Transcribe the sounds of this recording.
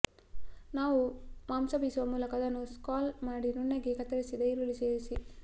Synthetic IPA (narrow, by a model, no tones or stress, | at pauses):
naːʋumaːmsɐbiːsuʋɐmuːlɐkɐd̪ɐnːuskaːlmaːɽinunːɐɡekɐt̪ːɐɾɐsid̪ɐjɾuɭiseːɾisi